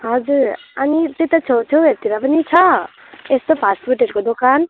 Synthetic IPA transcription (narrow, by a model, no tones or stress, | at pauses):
ɦʌd͡zuɾʌnit̪et̪ʌt͡sʰot͡sʰuet̪iɾapʌnit͡sʰʌ | est̪opʰasbuʈeʈkod̪okan